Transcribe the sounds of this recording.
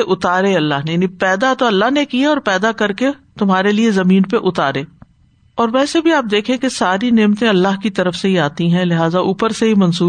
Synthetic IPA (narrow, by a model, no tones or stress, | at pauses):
eʔʊt̪aːɾeɐlːaɦnejaːnipɛːd̪at̪oɐlːaɦnekijaɔːɾpɛːd̪akɐɾket̪ʊmɦaːɾeliezɐmĩːnpeʔʊt̪aːɾeː | ɔːɾʋɛːsebʱiaːp̚d̪eːkʰẽkesaːɾineːmt̪ẽɐlːaɦkit̪ɐɾəfseɦiaːt̪ĩɦɛ̃lɪɦaːzaʔuːpəɾseɦimɐnsuː